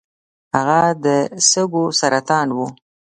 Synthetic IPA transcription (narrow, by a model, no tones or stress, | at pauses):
haɣad̪əsəɡosaɾat̪ɑnwu